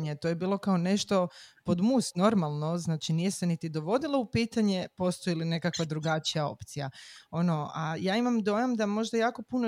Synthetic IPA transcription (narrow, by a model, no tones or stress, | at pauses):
ɲet̪o̞ːje̞biːlˠo̞kao̞ne̞ʃt̪o̞po̞d̪must̪no̞ɾmalˠno̞znaːt͡ʃinije̞se̞nit̪id̪o̞ʋo̞d̪ilaupiːt̪aɲe̞po̞st̪ojiline̞kakʋad̪ɾuɡat͡ʃijao̞̰pt̪sija̰ono̞ajaːimamd̪o̞jamd̪amo̞ʒd̪ajaːko̞puno